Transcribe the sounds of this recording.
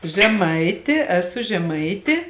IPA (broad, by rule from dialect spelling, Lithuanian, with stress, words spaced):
ʒʲɛˈmɐɪtʲɪ ɛˈsʊ ʒʲɛˈmɐɪtʲeː